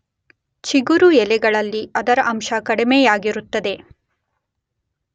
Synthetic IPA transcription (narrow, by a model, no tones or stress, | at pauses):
t͡ʃiɡuɾujɛlɛɡɐɭɐlːiɐd̪ɐɾɐʔɐmʃɐkɐɽimejaːɡiɾut̪ːɐd̪e̞